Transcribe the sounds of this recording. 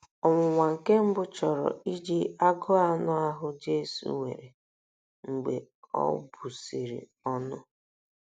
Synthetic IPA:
ɔ˨ŋʷʊ˨ŋʷa˨ŋ̩˨ke˦m̩˦bʊ˦t͡ʃɔ˨ɾɔ̰˨i˦d͡ʒi˦a˦ɡɔ˦a˦nʊ˦a˦ɦʊ˦d͡ʒe˦sṵ˨wḛ˨ɾe˨ | ŋ̩˨ɡ͡be˨ɔ̰˦bu˨si˨ɾḭ˨ | ɔ˦nʊ˦

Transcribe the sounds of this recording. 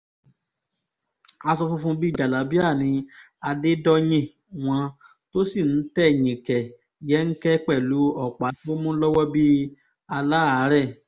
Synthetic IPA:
a˧sɔ˧fu˦˧fũ˧bi˦˨d͡ʒa˨la˨˦bi˦a˦˨nĩ˧ | a˧de˦dɔ˦j̃ĩ˦˨ | w̃ɔ̃˧ | to˦si˦˨n̩˨˦tɛ˦˨ɲ̃ĩ˨kɛ˨ | jɛ˨˦ŋ̩˦kɛ˦k͡pɛ˦˨lu˨˦ɔ˦˨k͡pa˨˦ti˦o˦mũ˦lɔ˦wɔ˦bi˦ | a˧la˦a˨˦ɾɛ˦˨

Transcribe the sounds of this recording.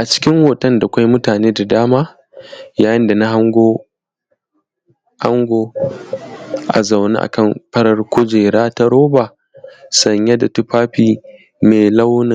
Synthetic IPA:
ʔa˨t͡ʃɪ̥˦kʲɪ˦ŋwoː˨tɐ˦nda˨kʷa˦jmʊ˦taː˨neː˦da˨daː˦maː˦ | jaː˨jɪ˦nda˨na˦ɦa˦ŋɡʷoː˦ | ha˦ŋɡʷoː˦ | ʔa˨za˨wnḛ˦ʔa̰˨kɐ˦˨mɸɐ˦ɽɐ˦rkʷʰʊ˦d͡ʒeː˨ɽaː˦ta˦ɽoː˦baː˨ | sɐ˨ɲja˦da˨tu˦ɸaː˦ɸiː˨ | meː˨la˦wnɪ˨ŋ

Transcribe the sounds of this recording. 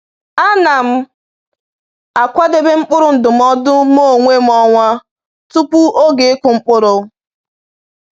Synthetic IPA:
a˦na˨m̩˦ | a˨kʷa˦de˦be˦ŋ͡m̩˦k͡pʊ˦ɾʊ˨n̩˨dʊ˨m˦ɔ˦dʊ˦mo˦˨ŋʷe˦m̩˦ɔ˦ŋʷa˦ | tu˦pu˦ʔo˦ɡe˨e˦kʷʊ˨ŋ͡m̩˦k͡pʊ˦ɾʊ˦

